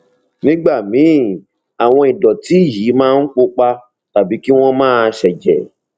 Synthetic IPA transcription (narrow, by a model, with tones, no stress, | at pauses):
nĩ˨˦ɡ͡ba˦˨mĩ˨˦ | a˨w̃ɔ̃˧i˨dɔ˨ti˨˦˨ji˨˦mãː˦n̩˦k͡po˧k͡pa˧ | ta˨bi˨˦ki˦w̃ɔ̃˦mãː˦˧ʃɛ˨d͡ʒɛ̰˨